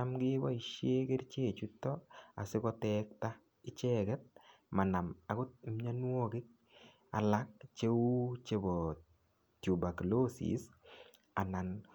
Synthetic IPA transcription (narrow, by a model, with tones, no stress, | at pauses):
amɡɪ˦wa˦i˨ʃje˦ke˦rt͡ʃe˦˨t͡ʃu˦tːɔa̰˨sɪ˦kɔ˦tɛk̚ta | ɪ˦t͡ʃɛ˦kɛt̚ | ma˨na˨ma˨kʊ˦t̚mɲa˦nwɔ˦kɪ˦k̚ | a˨la˦k̚t͡ʃe˦u˦t͡ʃe˨bɔ | tju˨ba˨klo˦sḭ˨s | a˨na˨n